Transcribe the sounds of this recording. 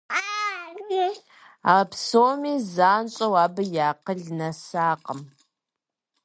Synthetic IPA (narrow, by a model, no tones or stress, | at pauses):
a | e | apsoːmiːzaːnt͡ʃʼɐwaːbɨjaːqəɮnɐsaːqəm